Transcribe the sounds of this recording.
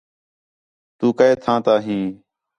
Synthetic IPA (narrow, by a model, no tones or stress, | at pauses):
t̪uːkəeːt̪ʰãːt̪aːɦĩː